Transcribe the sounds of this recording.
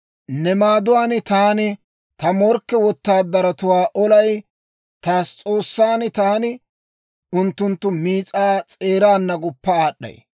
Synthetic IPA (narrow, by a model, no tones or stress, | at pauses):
nɛmaːd̪ʊwaːnɪt̪aːnɪ | t̪ɐmɔɾkːɛwɔt̪ːaːd̪ɐɾɐt̪ʊwaːʔɔlɐj | t̪aːst͡sʼo̞ːsːaːnɪt̪aːnɪ | ʊnt̪ːʊnt̪ːʊmiːt͡sʼaːt͡sʼe̞ːɾaːnːɐɡʊpːɐaːɗːɐ̰j